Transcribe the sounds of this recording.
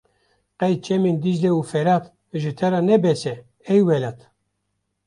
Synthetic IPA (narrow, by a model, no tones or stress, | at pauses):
qɛjt͡ʃɛmind̪id͡ʒleufɛɾap | ʒɨt̪ʰɛɾɑnɛbɛsɛ | ɛjwɛlat̪ʰ